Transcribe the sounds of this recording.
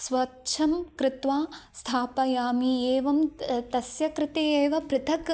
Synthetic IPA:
sʋɐtːt͡ʃʰɐmkɾɪt̪ʋaːst̪ʰaːpɐjaːmieːʋɐmt̪ɐsjɐkɾɪt̪eːeːʋɐpɾɪt̪ʰɐk

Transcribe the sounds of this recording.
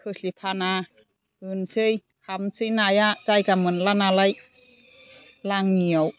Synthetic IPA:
kʰɯɬipʰana | ɯnsɯj | hamt͡sɯjnajaʔt͡sajkamɯnlanalaj | laŋniɔw

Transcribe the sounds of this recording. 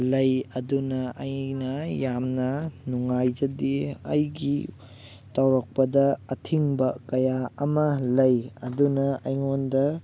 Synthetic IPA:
lɐjɐdunɐʔɐjnɐjamnɐnuŋajd͡ʒɐdiɐ̰jɡi | tɐwɾɐk̚pɐdɐːtʰiŋbɐkɐjaɐmɐlɐjɐdunɐɐjŋondɐ

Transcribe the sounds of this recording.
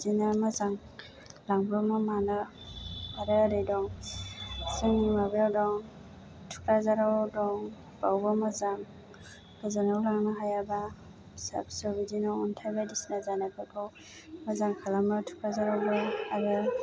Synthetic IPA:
dinamazaŋ | laŋbɔmamanɯ | aɾɯɾejdɔŋ | sɯŋimabawdɔŋ | tʰu̥kɾazaɾadɔŋ | b̥awbamazaŋ | kɯzanawlaŋnɯɦajaba | sa̰bsɔbidinɔuntʰajbadisnazanabɯkʰɔw | mazaŋkʰalamɯtʰu̥kɾazaɾawbɔaɾɯ

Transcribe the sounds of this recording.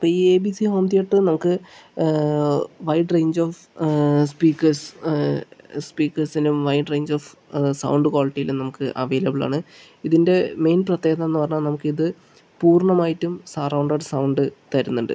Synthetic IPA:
pːoieːbisiɦoːmd̪ijeʈːɨnɐmukːɨ | ʋɐjʈrejɲd͡ʑoːf | spiːkːɐrs | spiːkːɐrsinumʋɐjʈre̞ːɲd͡ʑoːfsɐ̰wɳɖɨkwaːliʈːijilumnɐmukːɨʔɐ̰ʋe̞ːlɐbiɭa̰ːɳɨ | iðinde̞me̞ːnprɐt̪ːjeːɐt̪ɐenːupɐrɐɲːanɐmukːɨiðɨ | puːrɳɐmaːjitːumsɐrɐwɳɖɐɖsɐwɳɖɨt̪ɐɾunːuɳɖɨ̰

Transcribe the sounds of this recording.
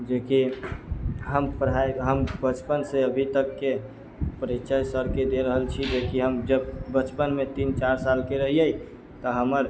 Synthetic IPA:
d͡ʒeki | ɦəmpəɾɦajɦəmbət͡ʃpənseəbʱit̪əkːe | pəɾitt͡ʃəjsəɾked̪eɾəɦəlt͡ʃʰid͡ʒekiɦəmd͡ʒəbːət͡ʃpənmet̪int͡ʃaɾsalkeɾəɦijəj | t̪əɦəməɾ

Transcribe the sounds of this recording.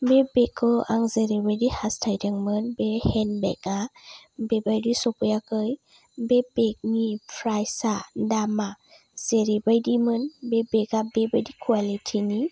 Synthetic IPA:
bebekʰɯa̰ŋzeɾibajdihastʰajdaŋmɯnbehenbḛkabebajdisɔpɯjakɯj | bebek̚nipʰɾajsadama | z̥eɾibajdimɯnbebekabebajdikʰwalitʰini

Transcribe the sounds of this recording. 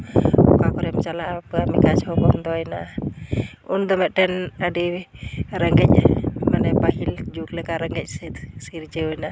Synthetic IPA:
ɔ̰kakɔɾɛmt͡ʃalaʔpəamikat͡ʃhɔkɔnd̪ɔɔjna | und̪ɔmɛt̪̚ʈɛnədi | ɾɛŋɡɛc̚ˀmanɛpaɦild͡ʒuklɛkaɾɛŋɡɛc̚ˀsɛt̪siɾd͡ʒəɔjna

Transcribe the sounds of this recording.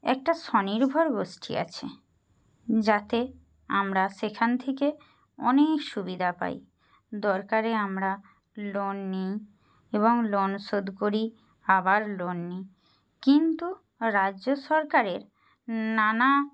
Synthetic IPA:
ɛ̰k̚ʈaʃɔniɾbʱɔɾɡoʃʈʰḭa̰t͡ɕʰḛ | d͡ʑat̪e | amɾaʃekʰant̪ʰeke | ɔ̰nekʃubid̪ʱapa̰j | d̪ɔɾkaɾeamɾa | lonːi | eboŋlonʃod̪koɾi | abaɾlonːi | kint̪u | ɾaʑoʃɔɾkaɾeɾ | nana

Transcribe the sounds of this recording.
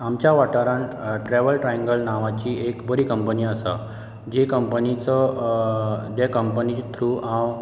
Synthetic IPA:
amt͡ɕjaʋaʈaɾaɳʈɾɛʋəlʈɾajĩŋɡəlnaʋat͡ɕiekbəɾiːkəmpəniːəsa̰ | d͡ʑekəmpənit͡sə | d͡ʑ̪ekəmpənit̪ʰɾuːãw

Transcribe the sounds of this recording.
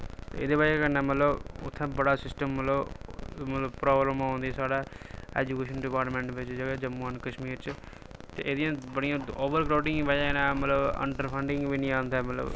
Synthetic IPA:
t̪ḛḛːd̪eːbaːd͡ʒkənɛ̃ːmət̪ləbʊ̰t̪ʰːɛ̃ːbəɽaːsɪsʈəmːət̪ləbmət̪ləbpɾɔːbɾəmãːnd̪iːsaːɽaːɛ̰ːd͡ʒuːkeːʃənɖɪpaːɾʈmɛ̃ːɳʈʋɪt͡ʃd͡ʒaɡaːd͡ʒəmːənkəʃmiːɾt͡ʃ | t̪ḛːʔeːd̪ɪjãːbəɽijãːoːbəɾkɾaːʈɪ̃ŋbaːd͡ʒanãːmət̪ləbə̰ɳɖəɾpʰəɳɖɪŋɡʋiːnĩːãːnd̪aːmət̪lə̰b

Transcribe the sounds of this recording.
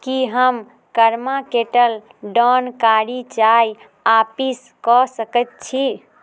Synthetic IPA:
kiɦəm | kəɾmakeʈəl | ɖɔnkaɾit͡ʃaj | apis | kɔsəkɛt̪̚t͡ʃʰi

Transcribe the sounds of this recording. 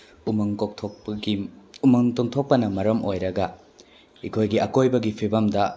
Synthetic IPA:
mŋtʰo | umɐŋtoŋt̪ʰok̚pɐnɐmɐɾɐmojɾɐɡɐ | ikʰojɡiɐkojbɐɡipʰibɐmdɐ

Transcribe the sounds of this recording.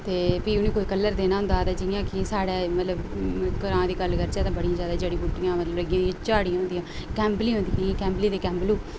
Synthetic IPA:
t̪eːbiːʊnĩːkoːiːkəlːəɾd̪eːnaːɦʊnd̪aːt̪aːd͡ʒɪjãːkɪsaːɽeːmət̪ləbkəɾãːd̪iːkəlːkəɾt͡ʃɛːt̪ãːbəɽijãːzjaːd̪aːd͡ʒeːɽĩːbuʈːɪjãːmət̪lələɡɪjãːiãt͡ʃaːɽijãːɦʊ̃ːnd̪ijãːkɛ̃ːmblĩːɦʊ̃nd̪ijãkɛ̃ːmbliːd̪eːkɛːmbluː

